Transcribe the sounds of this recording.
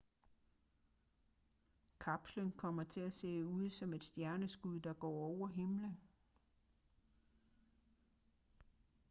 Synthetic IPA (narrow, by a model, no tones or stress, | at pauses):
kʰɑb̥slənkʰɒ̽m̰ɐt͡sʰe̝æse̝̰ːuð̞̰ˠsɒ̽me̝d̥sd̥jæɐnəsɡ̥uð̰ˠd̥ɑ̈ɡ̥ɒ̰ːɒʊ̰ɐɦe̝mlən